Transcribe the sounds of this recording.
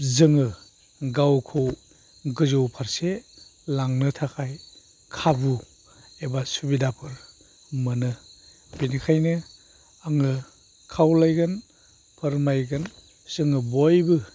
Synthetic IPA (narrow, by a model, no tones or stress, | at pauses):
zɯŋɯ | ɡawkʰow | ɡɯzowpʰaɾselaŋnɯtʰakʰaj | kʰabu | ebasubidapʰɯɾ | mɯnɯ | binikʰajnɯ | aŋɯ | kʰawlajɡɯn | pʰɯɾmajɡɯn | z̥ɯŋɯbojbɯ